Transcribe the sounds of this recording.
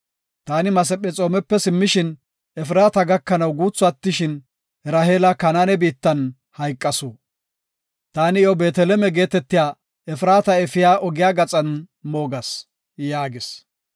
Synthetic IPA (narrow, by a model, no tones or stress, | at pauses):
t̪aːnɪmɐs̬ɛpʼːɛt͡sʼo̞ːmɛpːɛsɪmːɪʃɪn | ɛfɾaːt̪ɐɡɐkːɐnɐwɡuːt͡sːʊɐt̪ːɪʃɪn | ɾɐheːlɐkɐnaːnɛbiːt̪ːɐn | hɐjkʼːɐsoː | t̪aːnɪjɔbe̞ːt̪ɛlɛmɛɡe̞ːt̪ɛt̪ːɪjaː | ɛfɪɾaːt̪ɐɛfɪjaːʔɔɡɪjaːɡɐt͡sʼɐn | moːɡɐs | jaːɡɪs